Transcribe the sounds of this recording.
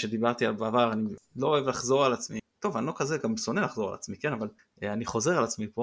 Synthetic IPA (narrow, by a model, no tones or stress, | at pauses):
ʃed̪ibaʁt̪ialbeavaʁaniloːevlaχzo̞ʁalat͡smit̪o̞vano̞kazeɡamso̞nelaχzo̞ʁa̰la̰t͡smikenaval | aniχo̞ze̞ʁalat͡smipo